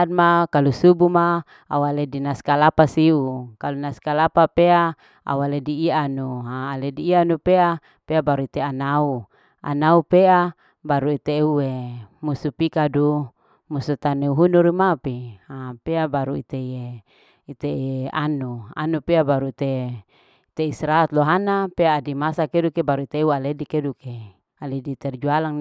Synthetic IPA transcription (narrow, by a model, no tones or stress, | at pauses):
d̚makalusubuma | a̰waledinaskalapasiukalunaskalapapea | a̰walediːanuaːlediːanupea | peabaɾuit̪eanau | a̰naupea | baɾuit̪euwemusupikadu | musut̪aneuɦunuɾimapiapeabaɾuḭt̪ee | it̪eanua̰nupeabaɾuit̪e | t̪eisɾat̪loɦanapeaːdimasakedukebaɾuit̪eualedikeduke | aledit̪ɛrd͡ʒualaŋ